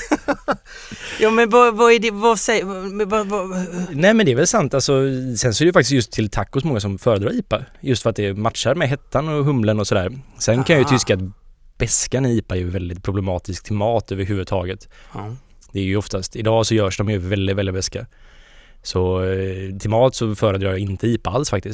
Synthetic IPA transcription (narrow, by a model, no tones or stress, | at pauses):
jɑːmɛnvavaɖɛvasɛvavnɛːmɛnd̪ɛɾvɛlsant̪alsɔsɛnsɔɛɾɛjʏfakt̪ɪsjɵst̪ʰːɪlt̪ʰakːʊsmɔŋːas̬ɔmfœːɾəd̪ɾɑːɾiːpaɾjɵst̪fœɾat̪̚d̪ɛmat̪ʂaɾmɛɦɛt̪ʰːanɔɦɵmlənɔsɔd̪æːɾsɛnkʰanjajʏt̪ʰʏskat̪ | b̥ɛskaniːpajɵvɛld̪ɪt̪̚pʰɾʊblɛmɑːt̪ɪskt̪ʰɪlmɑːt̪ʰøːvəɾɦʉvəd̪t̪ʰɑːɡət̪ | d̪ɛːɾjɵɔft̪ast̪ɪd̪ɑːsɔjœːʂdɔmjɵvɛld̪ɪdt̪vɛldɪd̪̚bɛska | sɔ | t̪ʰɪmɑːlt̪sɔfœːɾəd̪ɾɑːjɑɪnt̪ʰəiːpaalsfak̚t̪ɪs